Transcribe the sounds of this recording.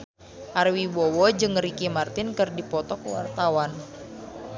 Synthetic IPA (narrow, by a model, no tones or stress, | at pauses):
ʔarwiwɔwɔd͡ʒɨŋɾikimart̪ɪnkɨrdipɔt̪ɔkwa̰rt̪awan